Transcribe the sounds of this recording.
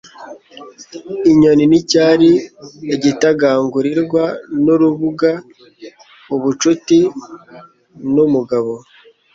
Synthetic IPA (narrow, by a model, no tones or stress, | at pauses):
iɲoninicaːɾieɟitaɡaːŋɡuɾiɾɡwanuɾuβuɡa | muβut͡ʃuti | numuɡaβo̞